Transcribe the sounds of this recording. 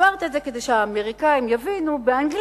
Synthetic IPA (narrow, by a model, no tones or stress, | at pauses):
aʁt̪iezeke̞d̪ejʃeaːmeʁikaimjavinubeanɡl